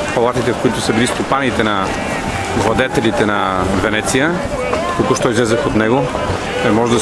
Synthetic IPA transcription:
pɐlˠat̪it̪ɛfkoit̪ʊsɐbilist̪opanit̪ɛnɐ | vlˠɐd̪ɛt̪ɛlit̪ɛnɐvɛnɛt̪sijə | kɐkɔʃt̪ɔizlɛzəxot̪nɛɡo | ɛmɔʒd̪

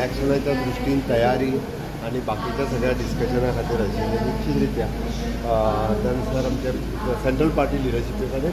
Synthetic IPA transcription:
ækɕənat͡ɕabɾusʈiːnt̪əjaɾiː | aɽ̃ibakit͡ɕasəɡɭjaɖiskəɕənakʰat̪iːɾəɕinekut͡ɕʰiːtɾit̪ja | t̪ansaɾamt͡ɕa | seɳʈɾəlpaɾʈiːliɾəɕipekʰat̪e

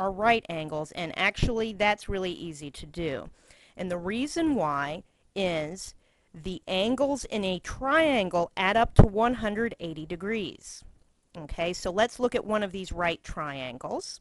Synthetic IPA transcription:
ə˞ɹaɪɾæ̃ŋɡl̩ˠzɨ̰̃nʔæk̚t͡ʃul̩ˠiðætsɹɪlˠiʔiziɾɨdʉ̰ | ʔɨ̃nðɨɹizɨ̃nwaɪ | ɪz̥ | ðiʔæ̃ŋɡl̩ˠzɪ̰̃nɨtʰɹ̥aɪæ̃ŋɡl̩ˠʔæɾʌp̚tʰəwʌ̃nɦʌ̃ndɹɨɾeɪɾidɨɡɹiz̥ | oʊkʰeɪsoʊlɨtslʊkɨʔwʔʌ̃nʌvðizɹaɪtʰɹ̥aɪæ̃ŋɡl̩ˠz̥

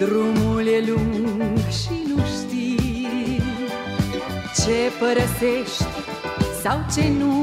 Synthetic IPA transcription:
d̪ɾumulɐluŋɡʃinuʃt̪i | t͡ʃepɐɾɐfeʃt̪ | sawt͡ʃenu

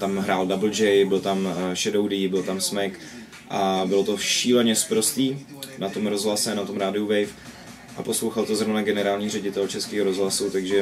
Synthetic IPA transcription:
t̪amɦɾaːldabl̩d͡ʒɛjbɪlt̪amʃɛdowdibɪlt̪amsmɛjk | ʔabɪlo̞t̪o̞fʃiːlɛɲɛspɾost̪iː | nat̪o̞mɾo̞zɦlasɛnat̪o̞mɾaːdɪuvɛjf | ʔapo̞slo̞wxalt̪ozɾovnaɡɛnɛɾaːlɲiːrɛɟɪt̪ɛlt͡ʃɛskiːɦoɾo̞zɦlasut̪aɡʒɛ

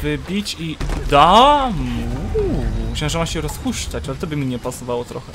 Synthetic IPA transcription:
vɘbʲit͡ɕid̪amu | ɕɛ̃w̃ʐɛmaɕɛɾɔsxuɕt͡ʂat͡ɕalɛt̪ɔbɘmʲiɲɛpasɔvawɔt̪ɾɔ̰xɛ

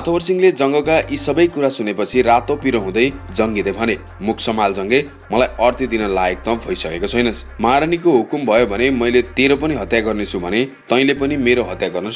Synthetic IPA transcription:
ʌt̪ʰʌbʌrsiŋled͡zʌŋɡʌkaʔisʌbʌjkuɾasunepʌt͡sʰirat̪opiɾʌɦũd̪ʌjd͡zʌŋɡid̪ʌjbʱʌne | mukʰsʌmald͡zʌŋɡʌj | mʌlajʌrt̪ʰid̪inʌlaek̚t̪ʌ̃bʱʌjsʌkekot͡sʰʌjnʌsmaɾʌnik̬oɦukumbʱʌjobʱʌnemʌjlet̪eɾopʌniɦʌt̪jaɡʌrnet͡sʰubʱʌne | t̪ʌĩlepʌnimeɾoɦʌt̪jaɡʌrnʌs

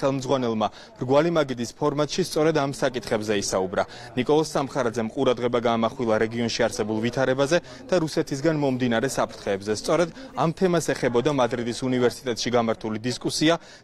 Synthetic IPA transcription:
χɛlˠmd̪zʁwanɛlˠma | b̥ɾɡwalimaɡid̪ispʰɔɾmat̪ʼʃist̪sʼɔɾɛd̪amsakʼit̪ʰχɛbzɛisaubɾa | nikʼɔlˠɔsːamχaɾad̪zɛmqʼuɾad̪ʁɛbaɡaːmaχwilˠaɾɛɡiɔnʃiaɾsɛbulˠvit̪ʰaɾɛbazɛ | d̪̥aɾusɛt̪ʰis̬ɡanmɔmd̪inaɾɛsapʰɾt̪ʰχɛːbzɛst̪sʼɔɾɛd̪amt̪ʰɛmasɛχɛbɔd̪amad̪ɾid̪isunivɛɾsi̥t̪ʼɛt̪ʼʃiɡamaɾt̪ʰulid̪iskʼusia

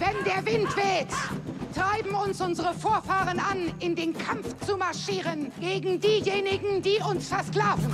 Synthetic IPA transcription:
vɛndeːɐvɪntv̥ɛːttʁ̥aɪbm̩ʊnsʔʊnzəʁəfoːɐfaːʁənanɪndeːnkʰamft͡sumaɐʃiːʁənɡ̥eːɡŋ̩diːjeːnɪɡŋ̩diːʔʊnsfɛɐskl̥aːvn̩

